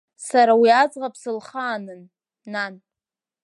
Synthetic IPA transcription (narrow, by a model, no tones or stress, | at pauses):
saɾawiad͡zʁapʰsɨlχaːnɨnː | an